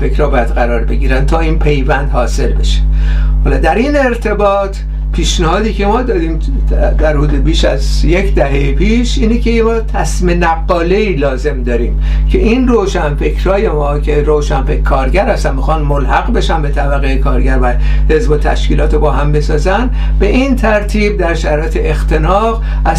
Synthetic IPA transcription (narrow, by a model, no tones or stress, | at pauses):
fekʰɾɒːbːjæd̪̥ɢæɾɒːɾbe̞ɡiːɾænt̪ʰɒːiːnpʰe̞jvænd̪hɒːse̞lbe̞ʃe̥hɒːlɒːd̪æɾine̞ɾt̪ʰe̞bɒːt̪ʰ | pʰiːʃnæhɒːd̪iːcʰe̞mɒːd̪ɒːɾiːm | d̪æɾɾuːd̪ebiːʃæz | je̞cʰd̪æɦejepʰiːʃiːnekʰemɒːt̪ʰæsmenæɡːɒːle̞iːlɒːze̞md̪ɒːɾiːm | cʰe̞ʔinroːʃænfe̞kʰɾɒːje̞mɒːcʲʰe̞ɾoːʃænfekkʰːɒːɾɟæɾhæst̪ænmixɒːnmolhæɣbe̞ʃænbe̞t̪ʰæbæɣejekʰɒːɾɡɟæɾvæ | he̞zbot̪ʰæ̰ʃkiːlɒːt̪ʰebɒːɦæmbe̞sɒːzæn | be̞ʔint̪ʰæɾt̪ʰiːb̚d̪æɾʃæɾɒːet̪ʰeext̪ʰe̞nɒːɣ | æ